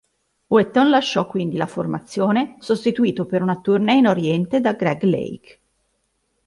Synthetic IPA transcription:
wɛt̪ːonlaʃːɔkːwind̪ilaformat̪sːjoːnesost̪it̪uiːt̪opeɾunat̪urneinoɾjɛnt̪ed̪aɡɾɛɡlḛjk

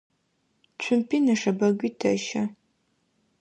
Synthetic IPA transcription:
t͡ɕʷʰʊmpʰiːnɐʂɐbɐɡʷiːtʰɐʃɐ

